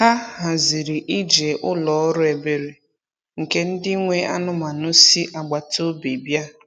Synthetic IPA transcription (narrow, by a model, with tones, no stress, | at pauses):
ha˦ɦa˨zi˨ɾi˨ʔi˦d͡ʒe˨ʔʊ˦lɔ˨ɔ˦ɾʊ˦e˨be˨ɾe˨ | ŋ̩˨ke˦n̩˦dɪ˦ŋʷe˦a˦nʊ˦ma˨nʊ˦si˦ʔa˨ɡ͡ba˨to˦be˨bja˦